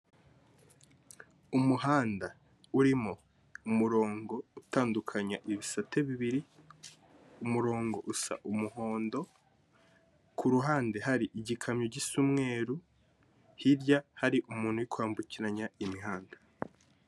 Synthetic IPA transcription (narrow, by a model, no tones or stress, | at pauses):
umuɦaːnda | uɾimo | umuɾo̞ːŋɡo̞utaːndukʰaɲaʔiβisatʰeβiβiɾi | umuɾo̞ːŋɡo̞ʔusa̰ʔumuɦo̞ːndo̞ | kʰuɾuɦaːndeɦaɾiʔiɟikʰamɲoɟisumŋe̞ːɾu | hiɾɟahaɾiʔumuːn̥hujikwaːmbuciɾaɲaimiɦaːnda